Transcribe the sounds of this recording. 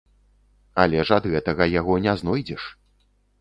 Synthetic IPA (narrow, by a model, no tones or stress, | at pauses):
alʲɛʐɐd̪ɣɛt̪ɐɣɐjaɣɔnʲɛznɔjd͡zʲɛʂ